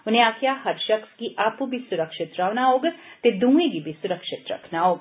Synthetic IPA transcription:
ʊnɦẽaːkʰjaɦɐɾʃɐxskiʔaːpubʱisʊɾəkʃɪt̪ɾaʋnaɦoːɡt̪ed̪ũːẽɡibʱisʊɾəkʃɪt̪ɾɐ̰kʰnaɦoːɡ

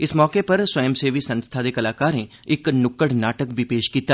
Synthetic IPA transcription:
ɪsmɔːkeːpəɾswəjəmseːʋiːsənst̪ʰaːd̪eːkəlaːkaːɾneː | ɪknʊkəɽnaːʈəkbʱiːpeːʃkiːt̪aː

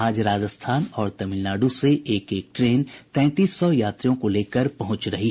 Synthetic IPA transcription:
aːd͡ʒɾaːd͡ʒəst̪ʰaːnɔːɾt̪ɐmɪlnaːɖuseʔeːkeːk̚ʈɾeːnt̪ɛ̃ːt̪iːsːɔjaːt̪ɾijõkoleːkəɾpɐɦʊ̃t͡ʃɾɐɦi

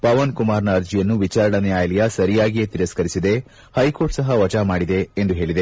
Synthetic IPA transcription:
pɐʋɐnkumaːɾnɐːɾd͡ʒijɐnːuʋit͡ʃaːɾɐɳɐnɛjaːjlɛjɐsɐɾijaːɡijet̪iɾɐskɐɾisid̪e̞ | hɐjko̞ːɾʈsɐɦɐʋɐd͡ʒamaːɽid̪e̞ːnd̪uɦe̞ːɭid̪e̞

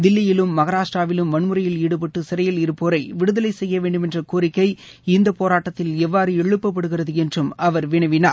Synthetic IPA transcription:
d̪ɪlːɪjɪlɯmːɐɣɐɾaːʂʈraːʋɪlɯmʋɐɳmɯɾɐjɪliːɽɯp̬ɐʈːɯsɪɾɐjɪlɪɾɯpːoːɾɐɪʋɪɽɯðɐlɐɪsɛjːɐʋeːɳɖɯmɛndrɐkuːɾɪkːɐɪ | ɪnd̪ɐpoːɾaːʈːɐt̪ːɪlɛʋːaːɾɯɛɭɯpːɐpːɐɽɯɣɪrɐðɯɛndrɯmɐʋɐɾʋɪɳɐɪʋɪnaːɾ

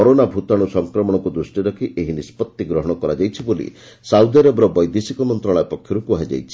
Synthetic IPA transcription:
ɔɾonabʱut̪aɽ̃usɔŋkɾɔmɔɽ̃ɔkud̪ɾusʈiɾɔkʰiʔeɦinispɔt̪ːiɡɾɔɦɔɽ̃ɔkɔɾad͡ʒajt͡ʃʰibolḭ | sawd̪aɾɔbɾɔbɔjd̪esikɔmɔnt̪ɾaɭɔjepɔkʰjɔɾukuaid͡ʒa̰jt͡ʃʰi̥

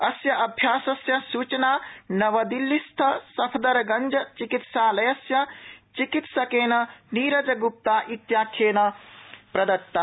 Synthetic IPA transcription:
ɐsjɐʔɐbʱjaːsɐsjɐsuːt͡ʃɐnaːnɐʋɐd̪ilːist̪ʰɐsɐpʰd̪ɐɾɐɡɐnd͡ʒɐt͡ʃikit̪saːlɐjɐsjɐt͡ʃikit̪sɐkeːnɐniːɾɐd͡ʒɐɡup̚t̪aːʔit̪jaːkʰːeːnɐpɾɐd̪ɐt̪ːa

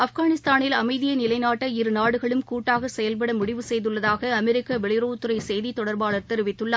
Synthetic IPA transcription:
ɐfɣaːnɪst̪aːnɪlɐmɐɪðɪjɐnɪlɐɪnaːʈːɐɪɾɯnaːɽɯɣɐɭɯmkuːʈːaːɣɐsɛjɐlpɐɽɐmʊɽɪʋɯsɛjðɯɭːɐðaːɣɐːmɛɾɪkːɐʋɛɭɪɾoːt̪ːɯɾɐɪsɛjðit̪ɔɽɐɾbaːɭɐɾt̪ɛɾɯʋɪt̪ːɯɭːɐ

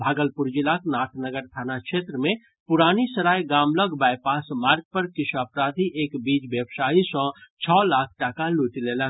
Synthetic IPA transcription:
bʱaːɡəlpʊɾd͡ʒɪlaknaːʈʰnəɡəɾt̪ʰaːnakʃeːt̪ɾəmẽ | pʊɾaːnisɐɾaːjɡaːmləɡbaːjpaːsmaːɾɡ̚pəɾkɪʃaːpɾaːd̪ʱiʔeːkbiːd͡ʒbjəbsaːɦisɔ̃t͡ʃʰɔːlaːkʰʈakaluːʈileːla

